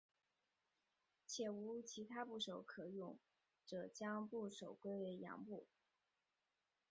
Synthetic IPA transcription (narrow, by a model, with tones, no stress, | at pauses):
t͡ɕʰjɛ˨˩u˧˥t͡ɕʰi˧˥t̪ʰa˥pu˥˩ʂo˨˥ʊkʰɤ˨˩jʊ˥˩ŋ | ʈ͡ʂɤ˨˩t͡ɕjɑ˥ŋpu˥˩ʂo˨˩ʊkwe˥ɪ˩jɑ̰˧˥ŋpu˥˩